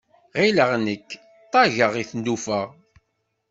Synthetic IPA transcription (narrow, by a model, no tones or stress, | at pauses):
ʁiləʁnəkː | t̪ˤːɑʝəʁiθənd̪ufəʁ